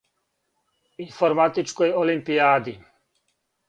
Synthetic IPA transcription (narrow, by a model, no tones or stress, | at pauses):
infoɾmat̪it͡ʃkojolimpiaːd̪i